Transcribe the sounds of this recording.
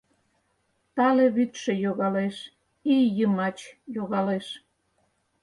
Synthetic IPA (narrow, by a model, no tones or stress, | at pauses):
t̪ɑleβyt̪ʃejoɣɑleʃ | ijəmɑt͡ɕjoɣɑleʃ